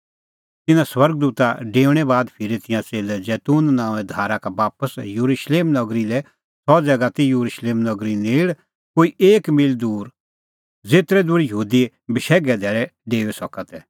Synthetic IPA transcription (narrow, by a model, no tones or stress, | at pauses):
t̪ɪnãswɐɾɡ̚d̪uːt̪aɖeːʋɽ̃ɛbaːd̪pʰɪɾit̪ɪ̃jãt͡seːlɛd͡zɛːt̪uːnnãːɛ̃d̪ʱaːɾakabaːpəsjuɾuʃleːmnɐɡɾilɛ | sɔd͡zɛːɡat̪ijuɾuʃleːmnɐɡɾineːɽ | koːiʔeːkmɪld̪uːɾ | d͡zeːt̪ɾɛd̪uɽijəɦuːd̪i | bɪʃɛːɡɛd̪ʱɛːɭɛɖeːʋɛsɔkat̪ɛ